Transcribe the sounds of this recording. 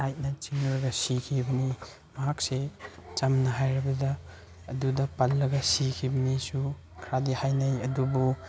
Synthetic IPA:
ajt̚nɐt͡ʃiŋɾɐɡɐsikʰibɐni | mɐɦak̚set͡ʃɐmnɐɦajɾɐbɐdɐː | dudɐpɐlːɐɡɐsikʰibɐmisu | kʰɾadihajnɐjɐdubu

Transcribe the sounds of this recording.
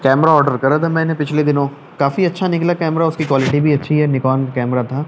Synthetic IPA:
kɛːmɾaɔːɾɖəɾkɐɾat̪ʰamɛ̃ːnẽpɪt͡ʃʰled̪ɪnõ | kaːfiɐtːʃʰanɪklakɛːmɾaʊskikwaːlɪʈibʱiɐtːʃʰiɦɛnɪkɔːnkɛːmɾat̪ʰaː

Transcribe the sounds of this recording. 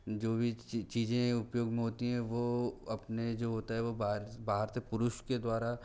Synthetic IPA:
d͡ʒoːbʱit͡ʃiːzẽʊpjoːɡmẽɦoːt̪iɦɛ̃ʋoɐpned͡ʒoːɦoːt̪aɦɛʋobaɾbaːɦəɾsepʊɾʊʃked̪waːɾa

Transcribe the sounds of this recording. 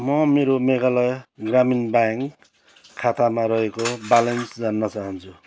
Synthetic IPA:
mʌmeɾomeɡalʌjɡraminbaŋkʰː | at̪amaɾʌɦekobalensd͡zanːʌt͡saɦʌnt͡sʰu

